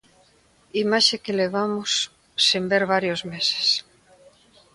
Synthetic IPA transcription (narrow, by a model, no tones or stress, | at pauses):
imaʃekeleβ̞amʊsː | imbeɾβaɾjozmese̥s